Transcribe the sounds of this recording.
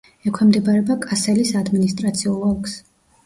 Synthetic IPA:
ɛkʰwɛmd̪ɛbaɾɛbakʼasɛlisad̪minist̪ʼɾat̪sʰiulˠɔlks

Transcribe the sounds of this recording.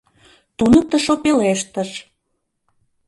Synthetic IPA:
t̪unə̆k̚t̪ə̆ʃopeleʃt̪ə̆ʃ

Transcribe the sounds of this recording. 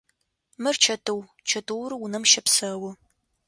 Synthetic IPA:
mɨrt͡ʃʰɐtʰɨw | t͡ʃʰɐtʰɨwɾɨwunɐmʃɐpsɐwʊ

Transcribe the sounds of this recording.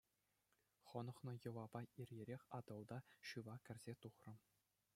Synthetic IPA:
χɤ̆nɤ̆χnɤ̆jɤ̆ʋɑbɑirʲjeɾʲexʲɑd̪ɤ̆lˠd̪ɑɕɯʋɑkʲɘ̆rʲzʲet̪uχrɤ̆

